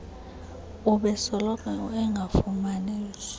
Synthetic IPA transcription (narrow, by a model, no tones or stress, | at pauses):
uɓɛsɔlɔkʼaɛŋɡʱafumaniːs